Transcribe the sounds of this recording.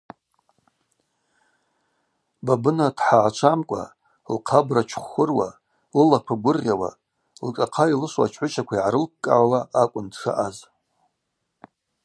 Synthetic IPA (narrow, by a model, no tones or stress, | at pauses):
babɨnadħaʕat͡ʃʷʰamkʷʼa̰ | lqʰabrat͡ʃʷʰχʊrwa̰ | llakʷʰaɡʷʊrʲawa̰ | lkʼaqʰailɨʂʷwa̰t͡ʃʰħʷʊt͡ʃʰakʷʰaiʕaɾɨlp̚kʼa̰ʕawaakʷʼʊntʰʂa̰ʔaz